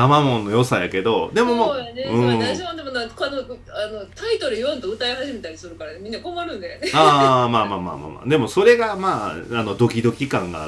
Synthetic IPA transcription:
amamõ̞nːo̞jo̞sajake̞d̪o̞d̪e̞momeɯ̃ːod̪emonaakano | ano̞t̪ait̪o̞ɾɯ̟jõnt̪oɯ̟t̪aehaʑime̞t̪aɾʲi̥sɨɾɯ̟kaɾanemʲĩnːakomaɾɯ̟̃nd̪eaːmaːmaːma̰ːma̰ːma̰d̪e̞mo̞so̞ɾe̞ɡamaːano̞d̪o̞kʲid̪o̞kʲikãŋɡa̰

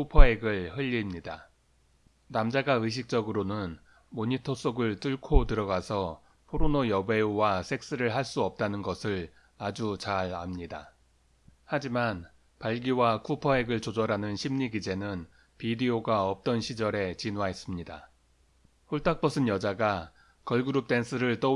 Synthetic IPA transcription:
kʰupʰʌe̞ɡɯɭhɯʎːimɲida | namd͡ʑaɡaɯɕ̬ʰik̚t͡ɕ͈ʌɡɯɾonɯn | moɲitʰos͈oɡɯɭt͈ɯɭkʰotɯɾʌɡasʰʌ | pʰoɾonojʌbe̞owasʰe̞k̚s͈ɯɾɯɭɦaɭs͈uʌp̚t͈anɯnɡʌsʰɯɭ | ad͡ʑut͡ɕaɾa̰mɲida̰ | had͡ʑiman | paɭɡiwakʰupʰʌe̞ɡɯɭt͡ɕod͡ʑʌɾanɯnɕʰimɲiɡid͡ʑe̞nɯn | pidioɡaʌp̚t͈ʌnɕʰid͡ʑʌɾe̞t͡ɕinwaɦes͈ɯmɲida̰ | ɸoɭtʰak̚p͈ʰʌsʰɯnjʌd͡ʑaɡa | kʌɭɡɯɾup̚t͈e̞ns͈ʰɯɾɯɭt͈ʌ

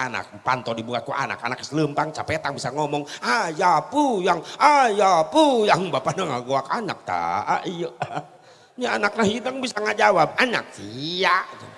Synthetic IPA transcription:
ana̰k̚pant̪ɔdibukat̪̚kuʔa̰na̰kanaksləmpaŋt͡ʃapɛt̪aŋbisaŋɔmɔŋʔajapujaŋajapujaŋbapanaŋaɡoakana̰k̚t̪a̰a̰ʔijəa | ɲaanak̚naɦidəŋbisaŋad͡ʒawab̚ana̰k̚sijat̪u

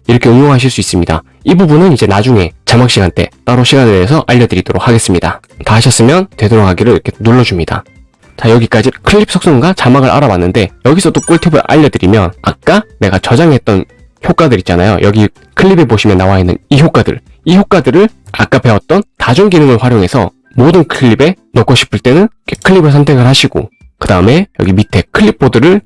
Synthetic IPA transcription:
iɾʌkʰe̞ɯŋjoŋɦaɕ̬ʰiɭs͈uis͈ɯmɲida̰ | ibubunɯnid͡ʑe̞nad͡ʑuŋe̞t͡ɕamakɕ͈iɡant͈e̞̰t͈aɾoɕʰiɡaneteɦːsʰʌʔaʎːʌdɯɾid̥oɾok̚ʰhaɡe̞s͈ɯmɲida̰ | taaɕʰʌs͈ɯmjʌntwe̞dɯoɾʌɡaɡiɾɯɭɾiɾʌkʰenoɭːʌd͡ʑumɲida̰ | t͡ɕajʌɡik͈ad͡ʑikʰɯɭːip̚s͈ʰok̚s͈oŋɡat͡ɕamaɡɯɭʔa̰ɾawanːɯnde̞jʌɡisʰʌdok͈uɭtʰɯbɯɾʔa̰ʎːʌdɯɾimjʌna̰k̚k͈ane̞ɡat͡ɕʌd͡ʑaŋɦe̞t̚t͈ʌn | çjok͈adɯɾit͡ɕ͈ana̰jo̰jʌɡi | kʰɯʎːibe̞boɕʰimjʌnːawainːɯ̰niçjok͈adɯ̰ɭ | içjok͈adɯɾɯɭa̰k͈ape̞wʌt̚t͈ʌntad͡ʑuŋɡinɯŋɯɭɸwaɾjoŋɦe̞sʰʌ̰ | modɯnkʰɯɭːibe̞ | nʌkʰoɕʰi̥pʰɯɭt͈e̞nɯnkʰe̥kʰɯʎːibɯɭs̬ʰantʰe̞ɡɯɭhaɕʰiɡ̥o̰ | kɯdaɯme̞jʌ̰ɡimitʰe̞kʰɯɭːip̚ʰːodɯɾɯɭ

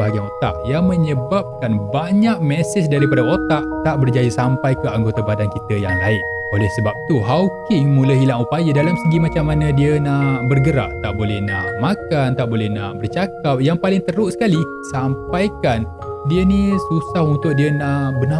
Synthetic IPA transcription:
aɡaŋot̪a̰ʔjaŋməɲəbap̚kanbaɲaʔ̚mɛsɪsdaɾipadaot̪aʔt̪aʔbərd͡ʒajəsampajkəaŋɡot̪abadankit̪əjaŋlaɪʔ̚ | olɛhsəbap̚t̪uɦawkɪŋmũləɦilaŋupajadalamsəɡimat͡ʃamːanãdiənaʔbərɡəɾa̰ʔ̚t̪aʔbolɛhnaʔmakant̪aʔbolɛhnaʔbərt͡ʃakap̚jaŋpalɪŋt̪əɾʊʔsə̥kali | sampajkan | diənisusahunt̪ʊk̚diənaʔbəna

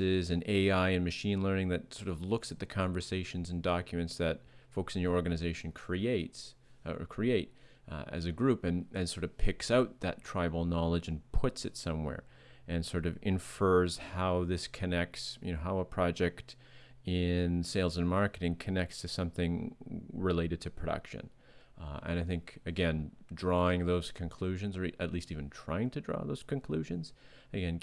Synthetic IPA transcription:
ɪzɨ̃neɪaɪɨ̃nmɨʃĩnlɜ̃˞nɪ̃ŋðɨt̚sɔɹɾʌvlʊksɨt̪̚ðɨkʰɑ̃ɱvə˞seɪʃɨ̃n̩zɨ̃n̩dɑkjɨmɨ̃ntsðɨt̚foʊksɨ̃njə˞ɔɹɡɨnɨzeɪʃn̩kʰɹ̥ieɪts | ə̰˞kʰɹ̥ieɪɾ | ɨ̰zɨɡɹʉpɨ̃nɨ̃nsɔɹɾʌv̥pʰɪksaʊt̪̚ðɨ̰tʰɹ̥aɪbl̩ˠnɑlˠəd͡ʒɨ̃n̩pʰʊtsɨtsʌ̃mwɛ̰ɹ | ʔɨ̃nsɔɹɾʌvɨ̃ɱfɜ˞z̥haʊðɪskʰɨnɛk̚tsjɨ̰noʊɦaʊəpʰɹ̥ɑd͡ʒɛkt | ɪ̃nseɪlˠzɨ̃nmɑɹkɨɾɪ̃ŋkʰɨnɛk̚tstʰɨsʌ̃mθɪ̃ŋɹɨleɪɾɨd̚tʰɨpʰɹ̥ɨɾʌ̰kʃɨ̰̃n | ɨ̰̃naɪθɪ̃ŋkɨɡɛ̃ndɹɔɪ̃ŋðoʊz̥kʰɨ̃nkʰl̥ʉʒɨ̃nzə˞iʔɨtˡlistivɨ̃ntʰɹ̥aɪɪ̃ŋtʰɨdɹɔ̰ðoʊz̥kɨ̃nkʰl̥ʉʒɨ̃nz̥ | ɨɡɛ̃n

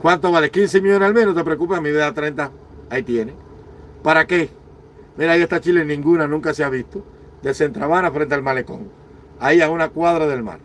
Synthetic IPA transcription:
kwant̪oβalekins̬emiʎonsalmehnot̪epɾeok̬upemiðeðat̪ɾent̪a | ait̪jene | paɾake | miɾajiest̪at͡ʃilenĩŋɡunanũŋkaseaβist̪o | d̪ese̞nt̪ɾaβanafɾe̞nt̪̬ealmalekoŋ | aiaunakwaðɾaðe̞lma̰ɾ

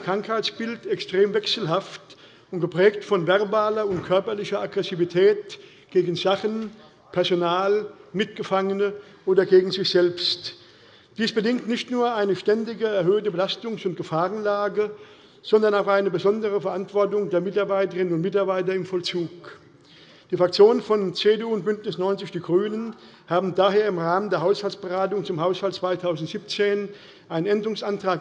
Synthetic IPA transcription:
kʁ̥aŋkhaɪt͡sb̥ɪltɛkstʁ̥eːmvɛksl̩ɦaft | ʊntɡ̥əpʁ̥ɛːktfɔnvɛʁbaːlɐʊntkʰœɐpɐlɪçɐʔaɡʁɛsivitʰɛːt | ɡ̥eːɡn̩zaχən | pʰɛɐzonaːlmɪt̚ɡ̥əfaŋənə | ʔoːdɐɡeːɡŋ̩zɪçz̥ɛlpst | d̥iːsb̥ədɪŋktnɪçtnuːɐʔaɪnəʃtɛndɪɡəɛɐɦøːtəbəlastʊŋsʊnt̚ɡ̥əfaːʁənlaːɡə | z̥ɔndɐnaʊxʔaɪnəbəzɔndəʁəfɛɐʔantv̥ɔɐtʊŋdeːɐmɪtaɐbaɪtəʁɪnənʊntmɪtaɐbaɪtɐɪmfɔlt͡suːk | d̥iːfʁak̚t͡sjoːnənfɔnt͡seːdeːuːnt̚b̥ʏntnɪsnɔʏnt͡sɪçd̥iːɡʁyːnən | haːbm̩daːɦeːɐɪmʁaːməndeːɐɦaʊshalt͡sb̥əʁaːtʊŋt͡sʊmhaʊshalt̚t͡sv̥aɪtʰaʊzn̩tz̥iːp̚t͡seːn | ʔaɪnənʔɛndəʁʊŋsʔantʁ̥aːk

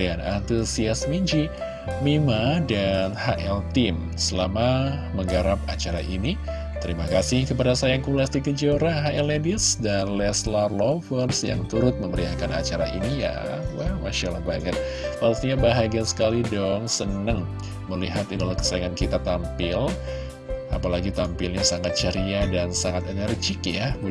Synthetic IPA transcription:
anant̪usiasmiɲd͡ʒi | mimadanhaʔɛlt̪im | səlama | məŋɡaɾap̚at͡ʃaɾa̰ʔini | t̪əɾimakasɪhkəpadasajakulasdikəd͡ʒoɾaɦaʔɛledisdanlɛslarlɔfərsja̰ŋt̪uɾʊt̪̚məməɾiakana̰t͡ʃaɾa̰ʔinija̰ | wamaʃalabaaɡan̚ | faɾust̪iɲabaɦaɡiansə̥kalidɔŋsənəŋ | məliɦat̪idalahkə̥saaŋankit̪at̪ampɪl | apalaɡit̪ampɪlɲasaŋat̪̚t͡ʃəɾiadansaŋat̪ənərd͡ʒɪkjabi

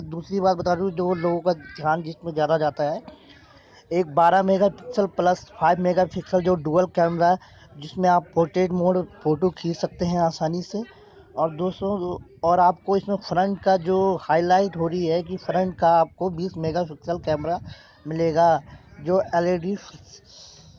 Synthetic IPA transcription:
d̪uːsɾibaːt̪̚bɐt̪aːɾĩd͡ʒoːloːɡõkad̪ʱjaːnd͡ʒɪsmẽzjaːd̪ad͡ʒaːt̪aɦɛː | eːk̚baːɾameːɡapɪksəlpləspʰaːɪbmeːɡapʰɪksəld͡ʒoːɖuːəlkɛːmɾaɦɛ | d͡ʒɪsmẽaːppoːɾʈeːʈmoːɖpoːʈokʰiːsɐk̚t̪eɦɛ̃aːsaːnise | ɔːɾd̪oːsɾõ | ɔːɾaːp̚koɪsmẽpʰɾə̃ɳʈkad͡ʒoːhaːɪlaːɪʈɦoːɾɐiɦɛkifʰɾə̃ɳʈ̚kaaːp̚kobiːsmeːɡapɪksəlkɛːmɾa | mɪleːɡad͡ʒoːɛːleːɖi

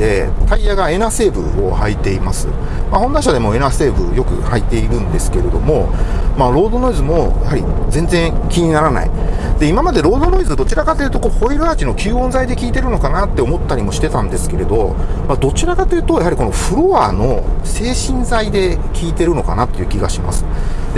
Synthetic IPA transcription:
d̪e̞t̪ʰaijaɡae̞nase̞ːbɯ̟̰o̰hait̪e̞imasɨ̰ | maho̞nd̪aɕad̪e̞mo̞e̞nase̞ːbɯ̟̰jo̞kɯ̟̰hait̪ːe̞iɾɯ̟̃nd̪e̞sɨ̥ke̞ɾe̞d̪o̞momaɾo̞ːd̪o̞no̞izɨmo̞jahaɾʲḭzẽ̞nzẽ̞ŋkʲiɲ̟inaɾana̰ḭd̪̥e̞imamad̪e̞ɾo̞ːd̪o̞no̞izɨd̪o̞t͡ɕiɾakat̪ejɯ̟t̪o̞koːho̞iɾɯ̟aːt͡ɕino̞kʲɨːõ̞nzaid̪e̞kʲiːt̪e̞ɾɯ̟no̞kanat̪ːe̞o̞mo̞t̪ːaɾʲimo̞ɕi̥t̪e̞t̪ãnd̪e̞sɨ̥ke̞ɾe̞d̪o̞mad̪o̞t͡ɕiɾakat̪ːejɯ̟t̪o̞jaɦaɾʲiko̞no̞ɸɯ̟ɾo̞aːno̞se̞ːɕĩnzaid̪e̞kʲʰiːt̪e̞ɾɯ̟no̞ka̰nat̪ːo̞jiɯ̟ːkʲiɡaɕima̰sɨ̥d̪e

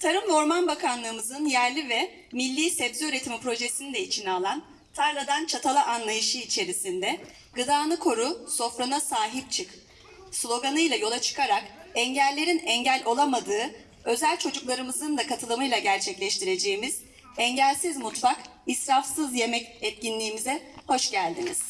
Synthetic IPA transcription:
t̪ʰaɾɯmvo̞ɾmanbakʰanlˠɯːmɯzɯnjæɾlʲivɛ | milʲːiːsɛbzyyɾe̞t̪ʰimipɾo̞ʒe̞sinid̪ɛit͡ʃʰinialˠan | t̪ʰaɾlˠad̪ant͡ʃʰat̪ʰalˠaʔanlˠajɯʃɯit͡ʃʰe̞ɾisind̪ɛ | ɡ̥ɯd̪aːnˠɯkʰo̞ɾuso̞fɾanasaːɦip̚t͡ʃʰɯk | slˠo̞ɡanɯjlˠajo̞lˠat͡ʃʰɯ̥kʰaɾakɛɲɟælʲːe̞ɾinɛɲɟælʲo̞lˠamad̪ɯː | ø̞zælʲt͡ʃʰo̞d͡ʒuklˠaɾɯmɯzɯnd̪akʰat̪ʰɯlˠɯmɯjlˠaɟæɾt͡ʃʰɛclʲɛʃt̪ʰiɾe̞d͡ʒe̞ːmiz̥ | ɛɲɟælʲsizmut̪fakisɾafsɯzje̞mɛcɛt̪̚cinlʲiːmizɛho̞ʃɟælʲd̪iniz̥

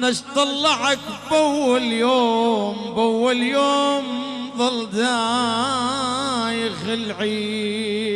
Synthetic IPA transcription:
naʃt̪ˤɑlːɑʕakbʔawːaljoːmbʔawːaljoːmðˤɑld̪a | jɣalʕi

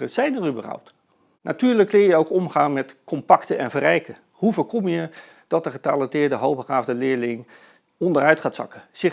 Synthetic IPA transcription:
əz̥ɛjnərybərʌ̰wpt | nʔa̰tyːɹləkːlɪːjəowkɔmχaːnmɛtkʰɔmpɑktənɛnvərɛjkə | huvəːkɔmjə | d̥ɑt̚dəχətalɛntɪːɹdəɦowpχaːvdəlɪːɹlɪŋ | ɔndərœɥtχaːtsɑ̰kəz̥ɪ

